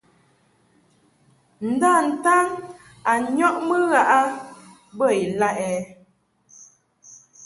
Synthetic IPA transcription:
n̩˨da˦˨n̩˨ta˦n | a˨ɲɔ˦ʔmə˦ɣa˦ʔa˦ | bə˦˨i˨la˦ʔɛ˨˦

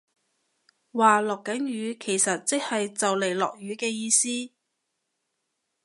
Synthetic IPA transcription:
waː˨lɔː˨kːɐ˨˥njyː˨˧kʰe˨˩jsɐ˨t̚t͡sɪ˥k̚hɐ˨jt͡sɐ˨wle˨˩jlɔ̰ː˨k̚ɥyː˨˧kɛː˧jiː˧siː˥

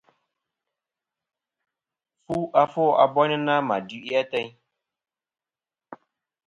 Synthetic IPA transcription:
fu˦ʔa˦fɔ˦a˨bɔ˦nɪ˦na˦ma˨du˦ʔi˦a˦tɛ˦ɲ

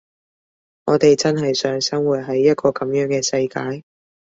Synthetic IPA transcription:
ŋɔː˨˧t̪e˨jt͡sɐ˥nɦɐ˨jsœː˨˥ŋsɐ˥ŋwuː˨˩t̚ɦɐ˨˥jːɐ˥t̚kʰɔː˧kɐ˨˦mjœː˨˥ŋkɛː˧sɐ˧jkaː˧j

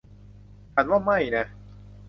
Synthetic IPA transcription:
t͡ɕʰa˨˦nwaː˥˩ma˥˩jna˦˥

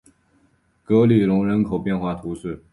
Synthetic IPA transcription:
kɤ˧˥li˨˩lʊ˧˥ŋɻə˧˥nkʰo˨˩ʊpjɛ˥˧nxwa˥˩t̪ʰu˧˥ʂɻ̩˥˩

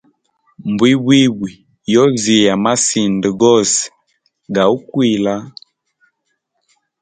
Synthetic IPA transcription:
mbwi˦bwi˦bwi˨ | jɔ˦zi˨ja˨ma˦si˨ndə˨ɡɔ˦˨sɛ̥˨ | ɡa˨u˦kwi˦˨la˦

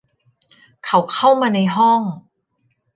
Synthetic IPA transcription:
kʰa˨˩˦wkʰa˥˩wmaː˧na˧jɦɔ˥˩ŋ

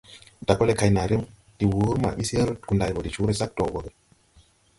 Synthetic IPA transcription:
da˨kːɔ˦le˨kʰa˧jna˨ɾi˦m | d̥i˨wu˨˦ɾma̰˨ɓi˦se˦ɾu˦tku˨ndaː˧˨jbɔ˨di˨t͡ʃu˦ɾe˦˨sa˦k̚tɔ˨bɔ˨ɡe˨

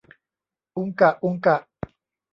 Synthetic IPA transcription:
ʊ˦ŋka˨ʔu˦ŋka˨

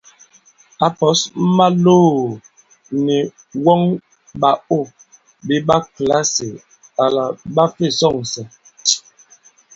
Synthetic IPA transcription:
a˨pɔ˨˦sm̩˦ma˦loː˦˨ | ni˨ | wɔ˦ŋ | ba˨o˦˨ | bi˦ba˦kla˦se˨ | a˨la˨ɓa˦fe˦˨sɔ˦˨ŋ˨sɛ˨

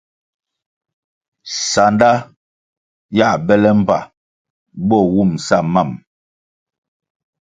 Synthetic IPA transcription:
sa˨nda˦ | ja˦˨bɛ˦lɛ˦m̩˦˨pa̰˨ | bɔ˦˨wu˦˨msa˦˨ma˦˨m

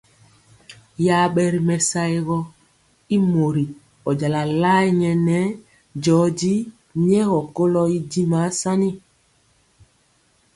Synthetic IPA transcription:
ja˦ɓɛ˦ɾi˦mɛ˨sa˦jɣɔ˦ | i˦mo˨ɾi˨ | ɔ˨d͡ʒa˨la˨la˦i˦ɲɛ˨nɛ˦ | d͡ʒɔː˨˦d͡ʒi˦ | ɲɛ˦ɣɔ˨ko˦lɔ˦i˦di˦ma˨˦sa˦ni˦

